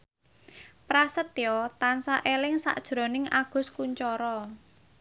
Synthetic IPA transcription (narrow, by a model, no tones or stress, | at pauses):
pɾasət̪jɔt̪ansaʔelɪŋsa̰ʔd̥ʒ̥ɾo̤nɪŋaɡ̥ʊ̤skuɲt͡ʃɔɾɔ